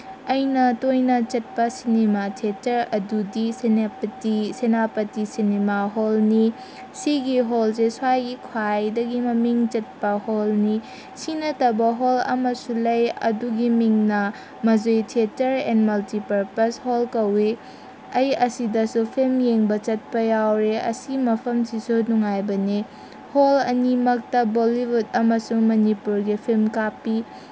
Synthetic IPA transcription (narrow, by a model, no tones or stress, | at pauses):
ɐjnɐtojnɐt͡ʃɐt̚pɐsinematʰetɐɾɐdudisenapɐtisenapɐtisinemaɦolni | siɡiɦolseswajɡikʰwajdɐɡimɐmiŋt͡ʃɐt̚pɐholni | sinɐtɐbɐɦolɐ̰mɐsulɐjɐ̰duɡimiŋnɐ | mɐzojtʰietɐɾḛnmɐltipɐɾpɐsholkɐwi | ɐjɐsidɐsupʰilmjeŋbɐt͡ʃɐt̚pɐjawɾeɐ̰simɐpʰɐmsisunuŋajbɐni | holɐ̰nimɐk̚tɐbolibudɐmɐsuŋmɐnipuɾɡipʰilmkapːi